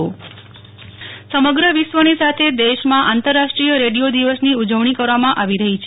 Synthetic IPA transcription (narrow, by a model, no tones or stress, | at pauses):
o | səməɡɾəʋisʋənisat̪ʰed̪eʃmãʔant̪əɾːaʃʈɾijəɾeɽiod̪iʋəsniud͡ʒəʋɳ̃ikəɾʋamãʔaʋiɾəɦit͡ʃʰ